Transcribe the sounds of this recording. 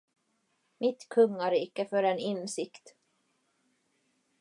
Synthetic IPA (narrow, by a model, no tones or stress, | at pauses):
mɪt̪kʰɵŋːaɾɪɪkəfœɾɛnɪnsɪkt̪